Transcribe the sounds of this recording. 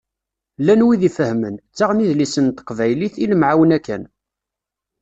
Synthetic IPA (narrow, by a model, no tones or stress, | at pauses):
lænwiðifəhmənt͡sːaʁniðlisənt̪ə̥qvæjliθiləmʕawənækːæ̰n